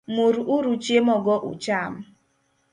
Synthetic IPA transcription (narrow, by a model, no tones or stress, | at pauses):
muɾuʔuɾut͡ʃemɔɡɔʔṵt͡ʃam̩